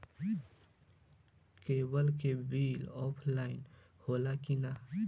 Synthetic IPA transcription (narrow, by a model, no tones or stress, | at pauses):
keːbɐlkebiːlɔːpʰlaːɪn | hoːlakina